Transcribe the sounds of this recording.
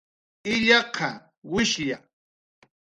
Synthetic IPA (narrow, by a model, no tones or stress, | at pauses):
ɪʎɑqɑ | wɪʃja